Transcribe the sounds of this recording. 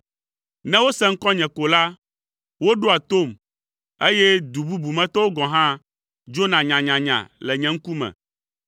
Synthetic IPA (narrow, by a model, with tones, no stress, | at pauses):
nɛ̃˦wo˦sɛ̃˦ŋ̩˦kɔ˦ɲɛ̃˨ko˨la˦ | wo˦ɖo˦a˨t̪o˦˨m | e˦jɛ˦d̪u˨bu˦bu˨mɛ̃˦t̪ɔ˦wo˦ɡɔ̃˨ɦã˦ | d͡ʒo˦nã˨ɲã˨ɲã˨ɲã̰˨lɛ˨ɲɛ̃˨ŋ̩˦ku˦mɛ̰̃˨